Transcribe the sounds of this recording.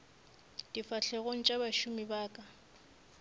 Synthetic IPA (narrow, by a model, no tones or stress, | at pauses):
d̥ifaɬɛɣoŋ̩t͡ʃʼabaʃumibaːkʼa